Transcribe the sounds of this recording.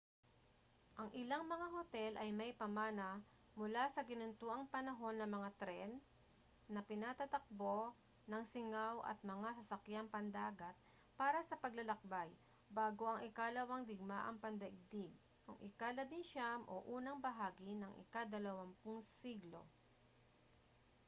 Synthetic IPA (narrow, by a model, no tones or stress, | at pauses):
ʔɐŋʔɪlaŋmɐŋahot̪ɛlʔɐjmɐjpɐmaːnɐ | mʊlasɐɡɪnʊnt̪uːʔɐŋpɐnɐɦo̞nːɐmɐŋat̪ɾɛnː | ɐpɪnat̪at̪ɐk̚bo̞ | nɐŋsɪŋawʔɐ̰t̪̚mɐŋasɐsɐkjampɐnd̪aːɡɐt̪̚ | paːɾɐsɐpɐɡlɐlɐk̚baj | baːɡo̞ʔɐŋʔɪkalɐwɐŋd̪ɪɡ̚maʔɐ̰ŋpɐnd̪ɐʔɪɡ̚d̪ɪɡ̚ | kʊŋʔɪkalɐbɪŋʃamʔo̰ʔuːnɐŋbɐɦaːɡɪnɐŋʔɪ̰kad̪ɐlɐwampʊŋsiɡlo̞̰